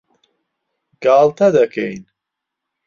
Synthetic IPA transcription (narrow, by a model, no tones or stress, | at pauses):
ɡ̥aːlˠt̪ʰɐd̪ɐkʰejn